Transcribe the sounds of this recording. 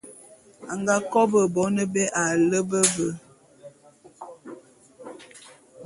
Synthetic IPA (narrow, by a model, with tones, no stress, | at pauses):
a˨ŋɡa˦kɔ˦bə˨bɔ˨˦nə˦bɛ˦ʔa˨lə˦bə˦bə˦